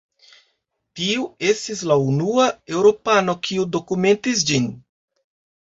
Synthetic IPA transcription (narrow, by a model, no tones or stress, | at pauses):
tiue̞stislaunuae̞wɾo̞pano̞kʰiudo̞kume̞ntis̬d͡ʒin